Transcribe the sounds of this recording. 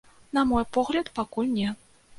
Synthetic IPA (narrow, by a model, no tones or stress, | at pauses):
nɐmɔjpɔɣlʲɐt̪pakulʲnʲɛ